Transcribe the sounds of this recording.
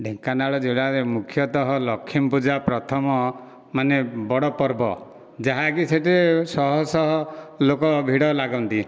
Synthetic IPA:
ɖʱeŋkanaɭɔd͡ʒeɭaɾemukʰjɔt̪ɔɦɔlɔkʰːimpud͡ʒapɾɔt̪ʰɔmɔ | manebɔɽɔpɔɾbɔ̰ | d͡ʒaɦaɡiseʈisɔɦɔsɔɦɔlokɔbʱiɽɔlaɡɔnt̪i

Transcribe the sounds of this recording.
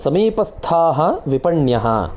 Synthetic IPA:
sɐmiːpɐst̪ʰaːɦɐ̆ʋipɐɳjɐɦɐ̰

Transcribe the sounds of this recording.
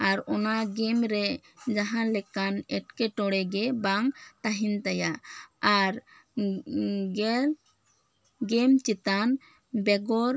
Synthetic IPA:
aɾɔnaɡɛmɾɛ | d͡ʒaɦãnlɛkanɛʈkɛʈɔɽɛɡɛbaŋt̪aɦint̪ajaaɾ | ɡɛl | ɡɛmt͡ʃit̪an | bɛɡɔɾ

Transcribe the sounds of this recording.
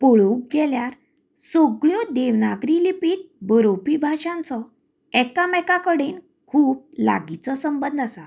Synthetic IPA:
poɭuk̚ɡɛljaɾ | sɔɡɭjɔd̪eʋnaɡɾilipiːʈ̚bəɾopibʱaɕãnt͡sɔ | ɛkamɛkakəɽen | kʰuːp̚la̰ɡit͡sɔsəmbənd̪ʱasa

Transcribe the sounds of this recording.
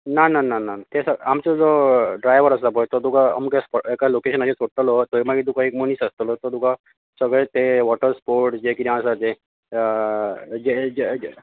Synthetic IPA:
nanananat̪esəamt͡ɕad͡zoɖɾajʋəɾəs̬apojt̪ɔt̪ukaə̰mukespɔekalokeɕənaɕet͡soʈəlot̪oimaɡit̪ukaekmoniːsəst̪əlot̪ɔt̪uka | səɡɭet̪eʋɔʈəɾspoɾʈd͡ʑekiɾãsat̪e | d͡ʑed͡ʑe

